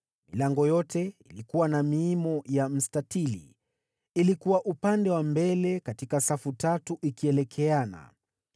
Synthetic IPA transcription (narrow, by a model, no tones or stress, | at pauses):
milaŋɡɔjɔtɛilikuwanamiimɔjam̩statilḭ | ilikuwaʔupandɛwambɛlɛkatikasafutatuʔikiɛlɛkʰɛana̰